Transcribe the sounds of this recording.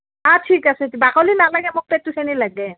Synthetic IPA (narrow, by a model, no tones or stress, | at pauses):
atʰikasɛtibakɔlinalaɡɛmʊk̚petusenilaɡɛ